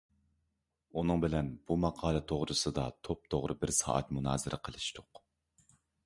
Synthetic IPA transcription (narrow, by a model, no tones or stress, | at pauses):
unɨŋbɪlɛnb̥umɑqʰɑːlˠɨt̪ʰoʁɾɨsɨd̪ɑt̪ʰop̚t̪ʰoʁɾʔɨbɪɾsɑ̰ːʔɛt̪munɑ̰ːzɨɾɛ̰qʰəlˠɨʃt̪ʊq